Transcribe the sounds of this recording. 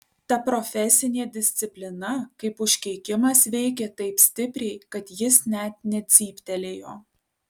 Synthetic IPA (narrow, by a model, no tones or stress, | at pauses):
t̪ɐpɾɔfʲɛsʲɪnʲeːd̪ʲɪsʲt̪sʲɪpʲlʲɪnɐkɐɪpʊʃʲkʲɛɪkʲɪmɐsʋʲɛɪkʲeːt̪ɐɪpsʲt̪ʲɪpʲɾʲɛɪkɐt̪jɪsnʲɛt̪̚nʲɛt̪sʲiːpʲt̪ʲɛlʲeːjoː